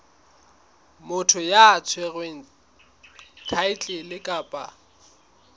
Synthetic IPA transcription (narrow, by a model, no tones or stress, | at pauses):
mʊtʰʊjaːt͡sʰweɣweŋ̩ | tʰaɪt͡ɬʼɪlɪkʼaːpʼa